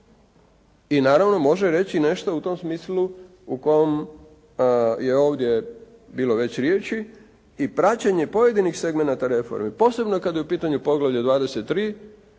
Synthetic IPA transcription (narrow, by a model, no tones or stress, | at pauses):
inaːɾaʋno̞mo̞ʒeɾe̞t͡ɕine̞ʃt̪out̪o̞msmiːslu | uko̞jom | jeo̞ːʋd̪je̞ | biːlo̞ʋe̞t͡ɕɾjeːt͡ɕi | ipɾat͡ɕaɲe̞po̞je̞d̪inixse̞ɡmenat̪aɾe̞fo̰ɾmipo̞ːse̞bnokad̪jeupiːt̪aɲupo̞ɡlˠaʋʎad̪ʋaːd̪eset̪ːɾiː